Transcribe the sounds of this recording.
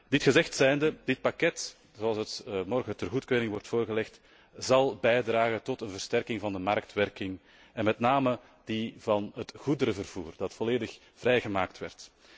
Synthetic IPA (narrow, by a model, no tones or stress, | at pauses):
dɪtxəzɛxtsɛjndədɪt̚pɑkɛt | zoɑlˠsətmɔrɣətərɣutkøːɾɪŋʋɔrtfoːrɣəlɛxt | zɑlˠbɛjdraːɣətɔtənvərstɛrkɪŋvɑndəmɑrk̚tʋɛrkɪŋ | ɛnmɛtnaːmə | divɑnɦətɣudəɾəvərv̥uːrdɑtfɔleːdəx | v̥rɛjɣəmaːk̚tʋɛ̰rt